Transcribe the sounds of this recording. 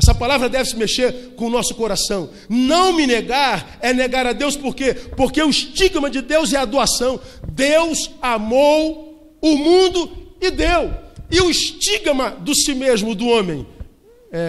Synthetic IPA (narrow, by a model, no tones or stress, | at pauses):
ɛsɐpalavɾɐd̪ɛvɪsɪmeʃeɾkõʊnɔsʊ̥koɾasɐ̃w̃ | nɐ̃w̃mɪneɡaɾ | ɛneɡaɾad̪ewspoɾkepoɾkeʊɪʃt͡ʃiɡmɐd͡ʒɪd̪ewzɛad̪oasɐ̃w̃d̪ewzamow | ʊmũnd̪ʊɪd̪ewɪʊɪʃt͡ʃiɡmɐd̪ʊsimezmʊd̪ʊõmẽj̃ | ɛ